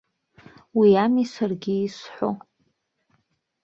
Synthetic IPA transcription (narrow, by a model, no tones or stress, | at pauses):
wiamisarɡʲiːsħʷo̰